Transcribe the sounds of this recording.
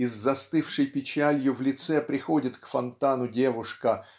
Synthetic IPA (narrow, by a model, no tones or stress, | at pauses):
ɪzːɐst̪ɨfʂɨjpʲɪt͡ɕælʲjʊvlʲɪt̪sɛpɾʲɪxodʲɪt̪kfɐnt̪anʊdʲe̞vʊʂkə